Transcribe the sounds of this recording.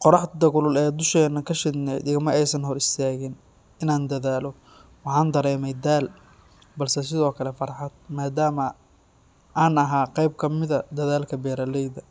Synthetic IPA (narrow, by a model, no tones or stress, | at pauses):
qɔɾɑħd̪ɐɣʊlʊlɛːd̪ʊʃɛːnːɐkʰɐʃɪdnɛ̰d̪ɪɣɐmɐʔɛjsɐnɦɔɾɪst̪ʰaːɣɪn | ɪnaːnd̪ɐðaːlɔ | wɑħɑːnd̪ɐɾɛːmɛjd̪aːl | bɐlsɛs̬ɪðɔːkʰɐlɛfɐɾħɑd̪̚maːd̪aːmɐ | ʔaːnɐɦaːqɛjb̚kʰɐmɪðɐd̪ɐðaːlkʰɐbɛːɾɐlɛjðɐ